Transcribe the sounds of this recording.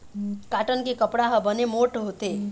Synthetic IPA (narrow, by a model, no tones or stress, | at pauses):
kaːʈənkekəpɽaɦəbənemoʈɦot̪e